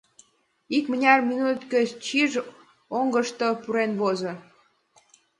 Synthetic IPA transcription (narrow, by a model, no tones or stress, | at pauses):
ikmə̆nʲɑrminut̪køt͡ɕiʒ | oŋɡəʃt̪opuɾenβozo